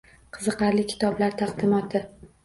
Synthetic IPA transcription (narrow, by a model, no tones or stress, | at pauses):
qʰɨzɨqɑɾlɪkʲʰɪ̥t̪ʰɒblaɾt̪ʰɑqd̪ɪmɒt̪ʰɪ